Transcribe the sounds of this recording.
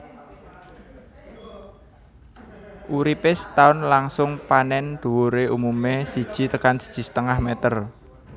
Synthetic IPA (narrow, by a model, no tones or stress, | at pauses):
ʔuɾipɪst̪aʊnlaŋsʊŋpanɛnd̪̥ṳwoɾeʔumumesid̥ʒ̥i̤t̪əkansə̥d̥ʒ̥i̤sə̥t̪əŋahmɛt̪ər